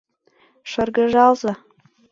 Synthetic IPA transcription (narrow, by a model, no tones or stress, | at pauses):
ʃɤ̆rɡɤ̆ʒɑlˠzɤ̆